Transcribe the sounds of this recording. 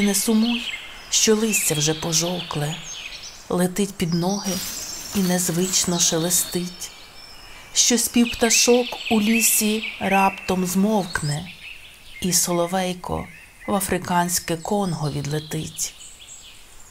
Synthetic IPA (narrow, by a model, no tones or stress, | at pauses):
nɛsʊmuj | ʃt͡ʃɔlˠɪsʲt͡sʲɐwʒɛpɔʒɔwklˠɛ | lˠet̪ɪtʲpʲid̪nɔɦɪinɛzʋɪt͡ʃnɔʃelˠest̪ɪtʲ | ʃt͡ʃɔsʲpʲiwpt̪ɐʃɔkulʲisʲiɾɑpt̪ɔmzmɔwknɛ | isɔlˠɔʋɛjkʰɔ̰ | ʋɐfɾɪkɑnʲsʲkɛkɔnɦɔʋʲid̪lˠet̪ɪtʲ